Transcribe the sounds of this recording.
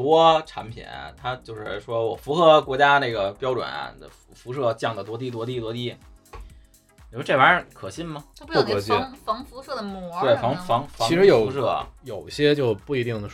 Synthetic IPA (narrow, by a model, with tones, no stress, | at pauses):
t̪wɔ˥ʈ͡ʂʰa̰˧˥npʰḭ˨˩n̰˩t̪ʰa˥t͡ɕjo˥˧ʊʂɻ̩˥˩ʂwɔ˥wɔ̰˨˩fu˧˥xɤ˧˥kwɔ˧˥t͡ɕja˥ne˥˩ɡə˩pjɑ˥ʊʈ͡ʂwə̰˨˩˦nɐ̰˧ə̰˧ffu˧˥ʂ̬ɤ˥˧t͡ɕjɑ˥˩ŋd̪ə˩t̪̬wɔ˥t̪̬i˥˩t̪wɔ˥t̪̬i˥˩t̪wɔ˥t̪i˥˩˨ | wʈ͡ʂe˥˩a˧˥˧kʰɤ̰˨˩ɕi˥nmɐ˧˥˩kɕi˥˩ŋfɑ˧˥ŋfu˧˥ʂɤ˥˩d̪ə˩mɔ˧˥t̪we˥˩ɪfɑ˧˥ŋfɑ˧˥ŋfɑ˧˥i˧˥ʂɻ̩˧˥jo˨˩ʊu˧˥ʂ̬ɤ̰˥˩jo˨˩ʊi˧˩ɕjɛ˥t͡ɕjo˥˧ʊpu˥˩i˧˥t̪i˥˩ŋd̪ə˩